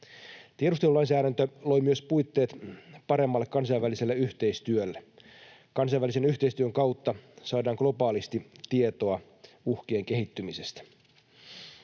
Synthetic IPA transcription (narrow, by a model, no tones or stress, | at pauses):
t̪ieɾust̪e̞lulɑinsæːɾænt̪ølo̞jmyøspujt̪ːe̞ːt̪pɑɾe̞mːɑlːekkɑns̬ɑijʋʋæliselːeyçt̪e̞ist̪yølːe | kɑnsɑjʋːælisenyçt̪eist̪yøŋkɑwt̪ːɑsɑːdɑːŋɡ̥lo̞pɑːlist̪it̪iet̪o̞ɑ | uhk̟eːŋke̞ɦit̪ːymisest̪æ̥